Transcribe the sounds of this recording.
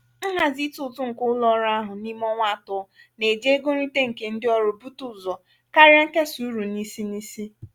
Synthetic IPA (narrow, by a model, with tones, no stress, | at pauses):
ŋ̩˦ɦa˨zi˦tʊ˨tʊ˦ŋ̩˨kʊ˦lɔ˦ɾa˦ɦʊ˨ni˦m˦ɔ˦ŋʷa˦˨tʊ˦ɔ˦ | ne˨de˦ɡo˦ɾi˦te˦ŋ̩˨ke˨n̩˦dɪ˦ɔ˦ɾo˨bu˦tu˨zɔ˨ | ka˦ɾja˦ŋ̩˦ke˦su˨˦ɾu˨ni˦si˦ni˦si˦